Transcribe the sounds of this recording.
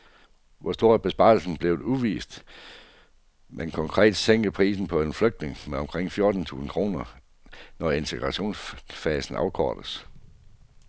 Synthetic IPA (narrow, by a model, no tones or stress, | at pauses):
ʋʔɒsd̥o̝ɐ̰b̥e̝sb̥ɑ̈ːl̩sn̩b̥le̝ʊð̩ˠuʋḭːsd̥ | mʔenkʰɒ̽ŋkʰʁɛ̰ːd̥seŋ̰ɡ̥əpʰʁḭːsn̩pʰɒ̽e̝nfløɡ̥̚d̥ne̝ŋmeɒ̽mkʰʁeŋ̰fjo̝ɐd̥n̩t͡sʰṵːsn̩kʰʁo̝̰ːnɐ | nɒe̝nt͡sʰe̝ɡ̥ʁɑ̈ɕo̝̰ːnsfɛːsn̩ɑ̈ʊkʰɒ̰ːd̥əs